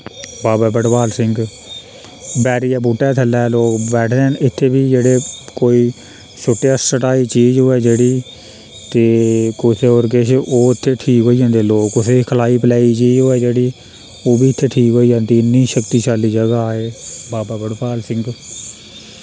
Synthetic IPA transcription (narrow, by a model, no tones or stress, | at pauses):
baːbaːbəɽpaːlsɪŋɡ | bɛːɾijaːbuːʈːɛːt̪ʰəlɛːloːkbɛːʈʰd̪eːənɪt̪ʰːeːbiːd͡ʒeːɽeːkoːiː | t͡ʃʰʊʈejaːsəʈaːiːt͡ʃiːd͡ʒɦoːɛːd͡ʒeːɽiː | t̪eːkʊt̪ʰːeːoːɾkeʃʔoːɪt̪ʰːeːʈʰiːkɦoːiːd͡ʒãːnd̪eːloːkʊseːkʰəlaːiːpəlɛːiːt͡ʃiːd͡ʒɦoːɛːd͡ʒeːɽiː | oːbiːɪt̪ʰːeːʈʰiːkɦoːiːd͡ʒãːnd̪iːnĩːʃəkt̪iːt͡ʃaːliːd͡ʒəɡaːeːbaːbaːbəɽpaːlsɪ̃ŋɡ